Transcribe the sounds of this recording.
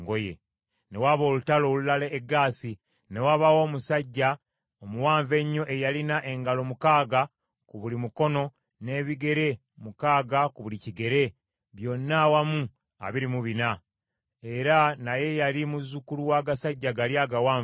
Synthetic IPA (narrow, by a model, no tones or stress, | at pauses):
ŋɡojḛ | ne̞waβo̞ːlutalo̞ːlulaleːɡːaːsi | ne̞waβawo̞ːmusaɟːa | omuwaːɱve̞ɲːo̞ʔe̞jalinaʔe̞ŋɡalo̞mukaːɡa | kuβulimuko̞no̞ | ne̞ːβiɡe̞ɾe̞ | mukaːɡakuβuliciɡe̞ɾe̞ | βjo̞nːawamu | a̰βiɾimuβina | e̞ɾanaje̞jaɾimuzukuluwaːɡasaɟːaɡaljaɡawaː